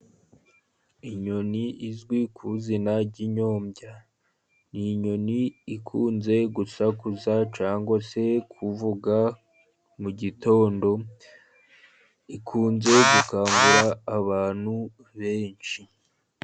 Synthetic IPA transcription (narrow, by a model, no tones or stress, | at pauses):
iɲo̞niizɡwikʰuzinaɾɟiɲo̞ːmɟa | niɲo̞niikʰuːnze̞ɡusakuzat͡ʃaːŋɡwase̞kʰuvuɡa | muɟito̞ːndo̞ | ikʰuːnze̞ɡukaːŋɡuɾaːβaːn̥hu | βe̞ːnt͡ʃi